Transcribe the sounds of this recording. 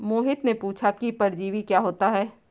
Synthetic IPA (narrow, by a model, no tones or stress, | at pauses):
moːɦɪt̪nepuːt͡ʃʰakipɐɾd͡ʒiːʋikjaːɦoːt̪aɦɛː